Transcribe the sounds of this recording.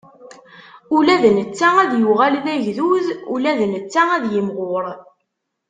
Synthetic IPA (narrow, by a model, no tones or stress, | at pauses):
ulæðnət͡sːææðjuʁælðæʝðuðṵlæðnət͡sːææðjəmʁʊɾˤ